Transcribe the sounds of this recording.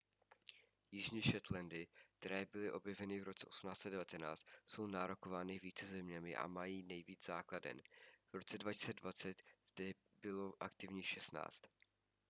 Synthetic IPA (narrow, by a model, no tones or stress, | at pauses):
jɪʒɲiːʃɛt̪lɛndɪk̚t̪ɛɾɛːbɪlɪʔo̞bjɛvɛnɪvɾo̞t͡sɛʔo̞sumnaːt͡st͡sɛdɛvat̪ɛna̰ːt͡st̪so̞wnaːɾokovaːnɪviːt͡sɛzɛmɲɛmɪ̰ʔa̰majiːnɛjviːd͡zz̥aːkladɛ̰nv̥ɾo̞t͡sɛdvacɪ̥sɛdvat͡sɛt̪zdɛ | bɪlo̞ʔakt̪ɪvɲiːxʃɛst̪na̰ːt͡st̪